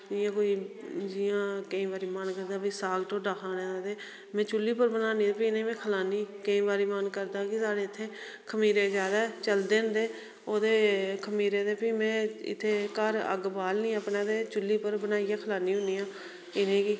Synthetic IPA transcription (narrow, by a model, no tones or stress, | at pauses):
d͡ʒɪːãːkoːiːd͡ʒɪjãːkəĩːbaːɾiːmənkəɾd̪aːpiːsaːlʈoːɖaːkʰãːnẽːad̪eː | mɛ̃ːt͡ʃʊliːpəɾbənaːniːd̪epiɪnẽːmɛ̃ːkʰəlaːniːkəĩːbaːɾiːmənkəɾd̪aːkɪsaːɽeːɪt̪ʰːeː | kʰəmiːɾeːzjaːd̪aːt͡ʃəld̪eːnd̪eː | oːd̪eːkʰəmiːɾeːd̪eːpiːmɛ̃ːɪ̰t̪ʰːeːkəɾə̰ɡbaːlnĩːəpnaːd̪eːt͡ʃʊlːiːpəɾbənaːiːjaːkʰəlaːniːɦʊniːãː | ɪnẽːki